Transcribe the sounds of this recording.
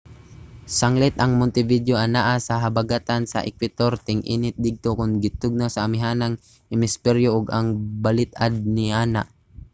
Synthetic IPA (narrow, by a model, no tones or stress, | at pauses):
saŋlɪt̪ʔɐŋmʊnt̪ɪvid̪joʔanaʔasaɦabaɡat̪ansa̰ʔɪ̰kwɪt̪oɾt̪ɪŋʔḭːnɪt̪̚d̪ɪɡ̚t̪okʊnɡɪt̪ʊɡ̚nosaːmɪɦaːnaŋ | ɪmɪspɛɾjoʔʊɡaŋbalɪt̪̚ad̪̚nɪʔaːna̰